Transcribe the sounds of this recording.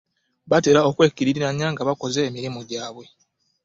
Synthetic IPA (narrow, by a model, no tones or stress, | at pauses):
βate̞ɾao̞kwe̞ːkːiɾiɾiɾaɲːaːŋɡaβako̞ze̞ːmiɾimoɟaːβwe̞